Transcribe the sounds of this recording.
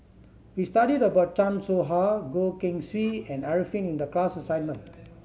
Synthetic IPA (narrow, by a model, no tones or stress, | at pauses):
wistaɾidəbawt̚t͡ʃãnsoɦaɡokĩŋswiɛ̃naɹifĩnĩndəklasəsãjnmə̃n